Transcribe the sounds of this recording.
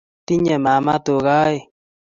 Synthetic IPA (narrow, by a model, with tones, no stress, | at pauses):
t̪i˦ɲɛ˨ma˨ma˦t̪o˨ɣa˦e˨